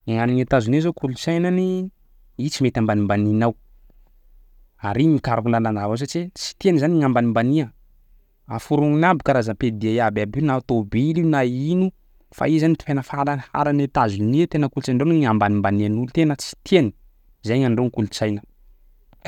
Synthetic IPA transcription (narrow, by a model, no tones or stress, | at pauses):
iŋaniŋet̪azunizokulut͡sajnani | it͡simet̪ambanimbaninaw | aɾimikaɾukulanland̪avaws̬at͡ʃit͡si̥t̪ienizaniŋambanimbaniə | afuɾuŋinabikaɾazaped̪iajababinat̪obilinainu | fa̰izanit̪i̥fenəfaɾanfa̰ɾanet̪azuniet̪enəkulut͡saɳɖ͡ʐoniŋambanimbanianulut̪enət͡si̥t̪ʰeni̥ | zajŋaɳɖ͡ʐoŋikulut͡sajnə